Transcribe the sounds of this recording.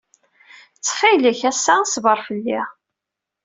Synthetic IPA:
t͡sːχiləçæsːæsvəɾˤfəlːi

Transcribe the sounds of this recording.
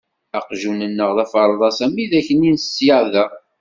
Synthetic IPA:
æqʒunənːəʁðæfəɾˤðˤɑsæmiðæçəninsːjəʕðæ

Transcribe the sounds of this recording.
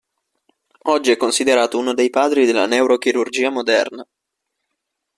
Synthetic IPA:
ɔd͡ʒːiɛkːonsid̪eɾaːt̪ouːnod̪ejpaːd̪ɾid̪elːa̰newɾok̟iɾurd͡ʒiːamod̪ɛrna

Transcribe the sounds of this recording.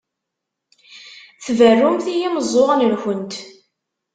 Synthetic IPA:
θvərːumθijiməzˤoʁnəlçənt̪

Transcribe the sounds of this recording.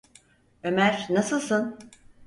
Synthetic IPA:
ømæɾnasɯlˠsɯn

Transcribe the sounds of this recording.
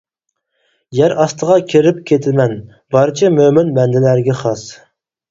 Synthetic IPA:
jæɾɑst̪ʰəʁɑkʲʰiɾɪp̚kʲʰet̪ʰɪmɛn | bɑɾt͡ʃʰɛmømynbɛnd̪ɪlæɾɡʲɛχɑs

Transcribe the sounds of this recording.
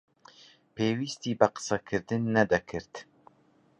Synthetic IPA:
peːwiːst̪iːbɐqɨ̥sɐkʰɨɾd̪ɨnːɐd̪ɐkʰɨɾt̪

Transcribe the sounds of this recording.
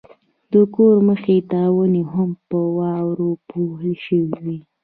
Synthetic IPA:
d̪əkoɾməxet̪ɑwəneɦampəwɑwɾopoɦəlʃəwiwi

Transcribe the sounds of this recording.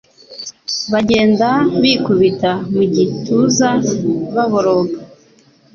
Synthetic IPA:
βaɟe̞ːndaβikuβitamuɟituzaβaβoɾoɡa

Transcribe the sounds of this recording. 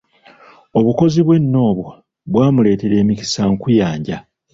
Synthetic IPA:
o̞βuko̞ziβwe̞nːo̞ːβwo | βwaːmule̞ːte̞ɾe̞ːmici̥saŋkujaːɲɟa̰

